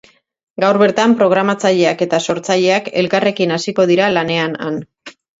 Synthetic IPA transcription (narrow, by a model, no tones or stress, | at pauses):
ɡawɾβe̞ɾt̪ampɾo̞ɣ̞ɾamat͡saʎe̞ake̞t̪aso̞ɾt͡saʎe̞ake̞̰lkare̞kinasiko̞ð̞iɾalane̞ana̰n